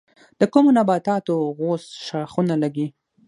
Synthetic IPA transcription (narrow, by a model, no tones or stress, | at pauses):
d̪̥əkumonabɑt̪ɑt̪oɣosʃɑxunalaɡi